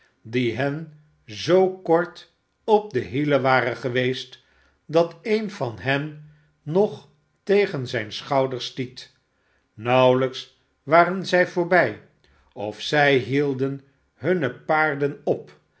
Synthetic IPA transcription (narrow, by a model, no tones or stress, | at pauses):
diɦɛn | zowkɔɹt | ɔp̚dəɦiləʋaːrəχəʋejst | dɑtejnvɑnɦɛnː | ɔχ | tejχənzɛjnsχɑwdəɹstit | nʌwləks | ʋaːrənzɛjvʊːɹbɛj | ɔfsɛjɦilˠdən | ɦɵnəpaːɹdənɔp